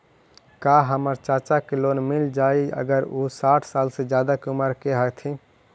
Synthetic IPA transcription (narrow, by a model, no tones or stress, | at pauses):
kaɦəməɾt͡ʃat͡ʃakelonmild͡ʒaiə̰ɡəɾusaʈʰsalsed͡ʒjad̪akuməɾkeɦət̪ʰi